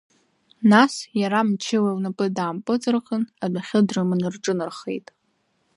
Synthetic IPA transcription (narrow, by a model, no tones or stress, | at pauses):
nasjaɾamt͡ʃʰɪwawnapʼɨdaːmpʼɨt͡sʼɨrqʼənabʷaχʲɨdrɨmɨnɨrʈ͡ʂʼɨnɨrχe̞̰jtʼ